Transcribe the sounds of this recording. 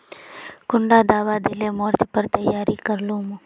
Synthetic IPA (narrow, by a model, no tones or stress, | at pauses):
kʊɳɖaːd̪aːʋaːd̪ɪleːmoːɾd͡ʒpəɾt̪əjːaːɾikəɾluːmũː